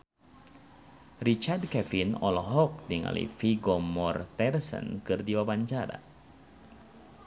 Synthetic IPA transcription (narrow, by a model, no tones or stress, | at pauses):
rit͡ʃardkɛfinɔlɔɦɔk̚diŋa̰lḭfiɡɔmɔrt̪ɛrsə̰nkɨrdiwabaɲt͡ʃaɾa̰